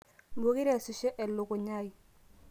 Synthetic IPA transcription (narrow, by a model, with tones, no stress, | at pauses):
bo˦ki˦ɾɛ˦˨su˨ʃɛ˦ʔɛ˨lʊ˨kʊ˨ɲa˦i˨